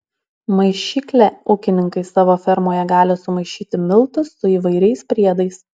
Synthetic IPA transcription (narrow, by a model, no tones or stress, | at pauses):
mɐɪʃʲiːklʲɛʊkʲɪnʲɪŋkɐɪsɑːʋoːfʲɛɾmoːjɛɡɑːlʲɪsʊmɐɪʃʲiːt̪ʲɪmʲɪlˠt̪ʊsːʊiːʋɐɪɾʲɛɪspʲɾʲiɛd̪ɐɪs